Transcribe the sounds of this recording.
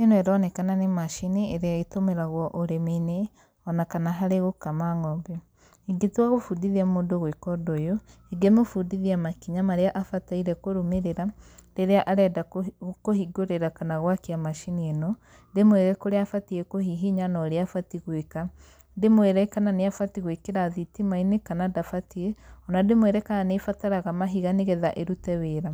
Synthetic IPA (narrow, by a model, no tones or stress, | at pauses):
enoeɾɔnɛkananemaʃinieɾeaitomeɾaɣwɔʔoɾemene | ɔnakanaɦaɾeɣokamaŋɔmbɛ | iɡetwaɣofudiðiamondoɣwekɔdojoeɡemofudiðiamakiɲamaɾeaʔafataiɾɛkoɾomeɾeɾadeɾeaʔaɾɛdakohiɡoɾeɾakanaɣwakeamaʃiniɛnɔ | demweɾɛkoɾeafatiekoɦiɦiɲanɔɾeafatiɣweka | demweɾɛkananeafatiɣwekeɾaðitimainekanadafatieɔnademweɾɛkananefataɾaɣamaɦiɣaneɣɛðaʔeɾutɛweːɾa